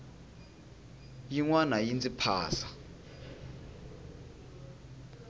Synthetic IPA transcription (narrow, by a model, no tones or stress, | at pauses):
jiŋwanajint͡sʼipʰa̰ːsa